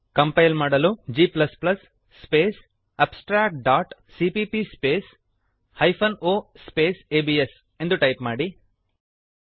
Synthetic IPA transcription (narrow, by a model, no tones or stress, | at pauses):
kɐmpɐjlmaːɽɐlud͡ʒiːplɐsplɐsː | peːs | ɐpsʈɾaːk̚ʈ̚ɖaːʈ | siːpiːpispeːs | hɐjpʰɐnoːspeːseːbies | e̞nd̪uʈɐjpmaːɽi